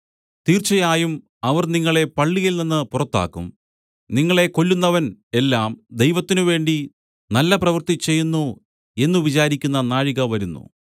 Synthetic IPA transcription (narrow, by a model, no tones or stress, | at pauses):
t̪iːrt͡ɕːɐjaːjum | ɐʋɐrniŋːɐɭe̞pɐɭːijilninːɨpurɐt̪ːa̰ːkːṵm | niŋːɐɭe̞ko̞lːunːɐʋɐne̞lːaːmd̪e̞jʋɐt̪ːinuʋe̞ːɳɖi | nɐlːɐprɐʋɐrt̪it͡ɕe̞jːunːu | e̞nːuʋit͡ɕaːɾikʲːunːɐnaːɻiɣɐʋɐɾunːṵ